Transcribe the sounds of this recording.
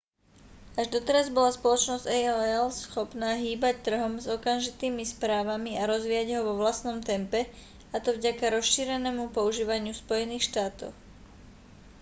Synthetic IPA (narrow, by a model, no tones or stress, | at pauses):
aʒd̪ɔt̪ɛɾazbɔlaspɔlɔt͡ʃnɔzɟ̥ɛɛlsxɔpnaːɦiːbac̚t̪r̩ɦɔmzɔkanʒit̪iːmispɾaːʋamiaɾɔzʋiːjaɟɦɔʋɔʋlast̪nɔmt̪ɛmpɛ | at̪ɔvɟakaɾɔsʃiːɾɛnɛːmupɔuʒiːʋaɲɪuspɔjɛniːxʃt̪aːt̪ɔ̰ʊ